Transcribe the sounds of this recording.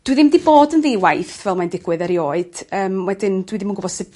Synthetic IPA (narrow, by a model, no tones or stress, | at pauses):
d̥wiðɪmdiboːdənðeːwajθvɛlˠmandɪɡwɨðəɾioːɨd̥əːmwɛdɪndwiðɪmunɡʊɔbɔd̥sɪb